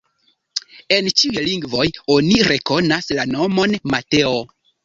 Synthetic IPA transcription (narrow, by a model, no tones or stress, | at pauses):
e̞nt͡ʃiujliŋɡvo̞jo̞niɾe̞ko̞naslano̞mo̞nmate̞o